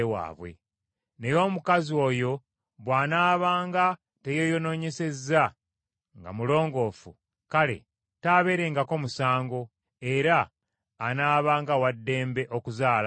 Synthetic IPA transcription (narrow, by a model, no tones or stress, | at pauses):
ewa̰ːβwḛ | ne̞jo̞ːmukazio̞ːjo̞ | βwaːnaːβaːŋɡa | te̞jo̞jo̞no̞ːɲe̞se̞zːa | ŋɡa̰mulo̞ːŋɡo̞ːfṵ | kale̞̰ | taːβe̞ːɾe̞ŋɡako̞musaːŋɡo̞ | e̞ɾaː | naːβaːŋɡawadːe̞ːmbe̞ʔo̞kuzaːl